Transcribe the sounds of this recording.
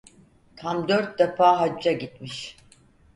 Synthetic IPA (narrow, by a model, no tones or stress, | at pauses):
t̪ʰamd̪øɾt̪̚d̪afaːɦad͡ʒːaɟit̪miʃ